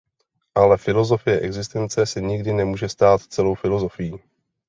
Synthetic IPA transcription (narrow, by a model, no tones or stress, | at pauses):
ʔalɛfɪlo̞zo̞fɪjɛʔɛɡzɪst̪ɛnt͡sɛsɛɲɪɡdɪnɛmuːʒɛst̪aːt̪t͡sɛlo̞wfɪlo̞zo̞fɪjiː